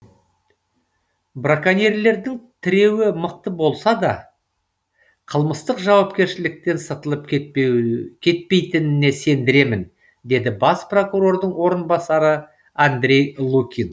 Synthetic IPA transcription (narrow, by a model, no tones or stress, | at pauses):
brakanʲerle̞ɾd̪ɪŋt̪ʰɪɾe̞wɪməq̚t̪əbo̞lˠsɑd̪ɑ̰ | qʰəlˠməst̪əqʒɑwɑp̚kʲe̞ɾʃɪlɪk̚t̪e̞nsɑt̪əlˠəp̚ | kʲʰe̞t̪̚pe̞jt̪ɪnɪne̞se̞nd̪ɪɾe̞mɪn | d̪e̞d̪ɪbɑspro̞kuɾo̞ɾd̪əɴwo̞ɾənbɑsɑɾə | and̪ɾʲe̞jlˠukʲin